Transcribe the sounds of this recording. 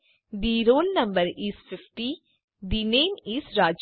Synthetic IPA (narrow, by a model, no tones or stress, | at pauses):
d̪iːɾoːlnəmbəɾisfʰɪfʰʈiː | d̪iːneːnisɾaːd͡ʒ